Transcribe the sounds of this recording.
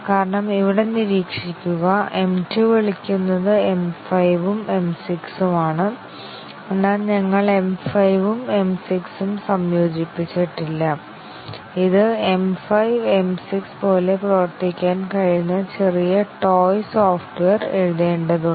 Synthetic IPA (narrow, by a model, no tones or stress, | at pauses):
kaːɾɐɳɐmiʋiɽe̞niɾiːkʂikʲːuɣɐʔe̞mtiʋeɭikʲːunːɐðɨe̞mfɐjʋume̞msiksumaːɳɨ | e̞nːaːlɲɐŋːɐɭe̞mfɐjʋume̞msiksumsɐmjo̞ːd͡ʑipːit͡ɕːiʈːilːɐ | iðɨe̞mfɐjʋe̞msikspo̞ːle̞prɐʋɐrt̪ikʲːaːnkɐɻinːɐt͡ɕe̞rijɐʈo̞ːjsoːfʈʋeːreɻuðe̞ːɳɖɐðuɳ